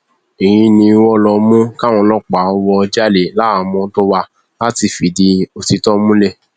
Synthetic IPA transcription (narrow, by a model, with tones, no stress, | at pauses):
i˨j̃ĩ˧nĩ˧wɔ˦˨lɔ˧mũ˦ka˦˨w̃ɔ̃˧lɔ˦k͡pa˨˦ɔ˧wɔ˧d͡ʒa˦le˨la˨˦˨mɔ̃˧˦tɔ˦wa˧ | la˦ti˧˨fi˨˦di˧o˨ti˧tɔ˦mũ˦lɛ˦˨